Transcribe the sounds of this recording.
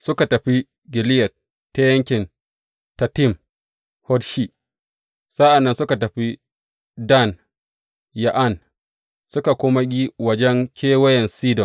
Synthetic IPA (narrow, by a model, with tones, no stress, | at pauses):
sʊ˦ka˨tɐ˨ɸi˦ | ɡɪ˨lɪ˦jɐ˨t̚ | tːe˦jɐ˦ŋkʲɪ˨n | ta˨tɪ˦˨m | hɔ˦dʃi˦ʔ | sa˦ʔa˨nːɐ˦nsʊ˦ka˨tɐ˨ɸi˦ | da˦˨n | ja˨ʔa˦˨n | sʊ˦ka˨kʷoː˦ma˦ɡʲi˦wɐ˦d͡ʒɛ˦ŋkʲeː˦wɐ˦jɛ˨nsiː˦dɔ˨n